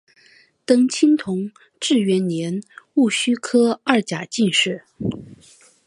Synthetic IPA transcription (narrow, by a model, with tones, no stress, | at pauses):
t̪ɤ˥ŋt͡ɕʰi˥nt̪ʰʊ˧˥ŋ | ʈ͡ʂɻ̩˥˩ɥɛ˧˥nnjɛ˧˥nu˥˩ɕy˥kʰɤ˥ɐ˥˩t͡ɕja˨˩t͡ɕi˥˧nʂɻ̩˥˩